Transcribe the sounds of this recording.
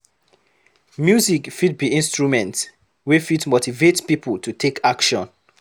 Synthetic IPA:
mjuzikfid̚biĩnstɹumɛ̃nt | wifitmotivetspipəltʰutʰekakʃɔ̃n

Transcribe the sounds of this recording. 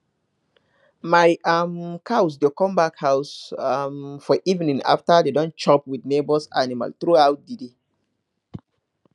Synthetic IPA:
majamkʰaws̬dekɔ̃mbakhawsamfɔʔivnĩŋa̰ftadedɔ̃nt͡ʃɔpwidnebɔsa̰nima̰ltɹuawt̚dide

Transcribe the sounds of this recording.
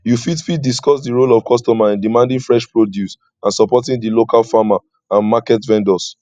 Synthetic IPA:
jufitfid̚diskɔsdiɹolɔv̥kɔstɔmaĩndimãndĩŋfɹɛʃpɹodjus | ãnsɔpɔtĩndilokalfama | ãnmakɛtvɛ̃ndɔs

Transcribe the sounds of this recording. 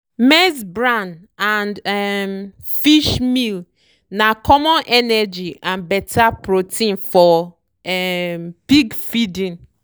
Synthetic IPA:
mɛsbɹãn | ãndɛmfiʃmil | nãkʰɔmɔ̃nʔɛnɛd͡ʒiãnbɛtʰapɹotʰĩnfɔ | ɛmb̥iɡfidĩn

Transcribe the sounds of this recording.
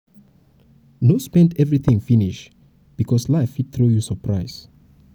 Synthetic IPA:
nospɛ̃ndɛvɹiθĩŋfiniʃ | b̥ikʰɔslaɪfid̚θɹujusəpʰɹaɪs

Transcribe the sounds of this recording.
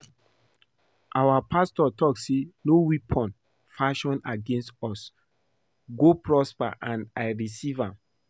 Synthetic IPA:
ʔawapʰastɔtʰɔksenowipʰɔ̃n | faʃɔ̃naɡẽnstɔs | ɡopʰɹɔspa̰ʔãnajɹisivãm

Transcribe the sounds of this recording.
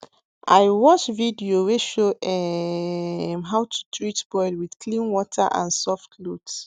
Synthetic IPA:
ʔaɪwɔt͡ʃvidioweʃoʔɛ | mɦawtʰu̥tʰɹitb̥ɔɪdwið̥kʰlĩnwɔtʰa̰ʔã̰nsɔftʰlut

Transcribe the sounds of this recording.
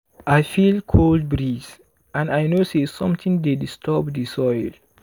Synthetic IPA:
ʔajfilkʰold̚bɹis | ʔãnajnosesɔ̃mtĩŋdedistʰɔbdisɔjl

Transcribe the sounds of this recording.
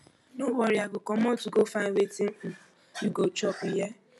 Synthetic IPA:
nowɔɾjaɡʊkɔmɔtʊɡofaewetin̩ | juɡot͡ʃɔpije

